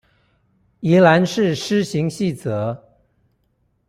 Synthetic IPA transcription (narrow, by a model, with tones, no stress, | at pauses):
i˧˥la˧˥nʂɻ̩˥˩ʂɻ̩˥ɕi˧˥ŋɕi˥˩t͡sɤ˧˥˦